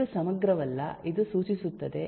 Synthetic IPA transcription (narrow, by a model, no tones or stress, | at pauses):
usɐmɐɡɾɐʋɐlːɐ̰id̪usuːt͡ʃisut̪ːɐd̪e̞